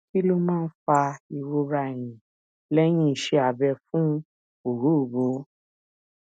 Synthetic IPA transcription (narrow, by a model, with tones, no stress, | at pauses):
ki˦lo˦mãː˦˧n̩˦fa˧i˨ɾo˧ɾa˧˨jĩ˨ | lɛ˦j̃ĩ˦i˨ʃe˧a˨bɛ˧fũ˦ | o˨ɾu˨˦˨bo˨˦